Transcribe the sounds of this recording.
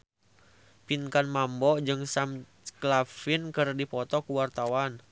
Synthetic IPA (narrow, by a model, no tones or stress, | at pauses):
pinkanmambɔd͡ʒɨŋsam | klafinkɨrdipɔt̪ɔkuwart̪awan